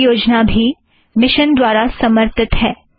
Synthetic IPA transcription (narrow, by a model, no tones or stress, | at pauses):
joːd͡ʒnabʱi | mɪʃənd̪waːɾasɐməɾt̪ɪt̪ɦɛː